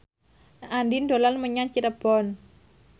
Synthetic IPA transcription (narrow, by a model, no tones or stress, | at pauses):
ʔandind̪olanməɲat͡ʃiɾəb̥ɔn